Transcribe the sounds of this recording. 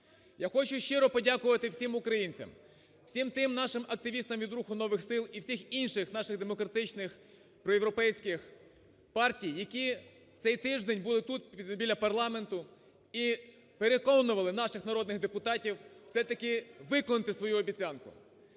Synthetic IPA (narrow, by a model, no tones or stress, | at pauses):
jaxɔt͡ʃʊʃt͡ʃɪɾɔpɔdʲakʊʋɐt̪ɪwsʲimʊkɾɐjinʲt͡sʲɐ̰m | wsʲimt̪ɪmnɑʃɪmɐk̚t̪ɪʋʲist̪ɐmʋʲid̪ɾuxʊnɔʋɪxsɪlˠiwsʲixinʃɪxnɑʃɪɣd̪emɔkɾɐt̪ɪt͡ʃnɪx | pɾɔjewɾɔpɛjsʲkɪx | pɑrtʲijːɐkʲi | t̪sɛjt̪ɪʒd̪enʲbulˠɪt̪ut̪̚bʲilʲːɐpɐrlˠɑme̞nt̪ʊ | i | peɾekɔnʊʋɐlˠɪnɑʃɪxnɐɾɔd̪nɪɣd̪epʊt̪ɑtʲiww̥sɛt̪ɐkɪʋɪkɔnɪt̪ɪsʋɔjuɔbʲit͡sʲɑnkʊ̰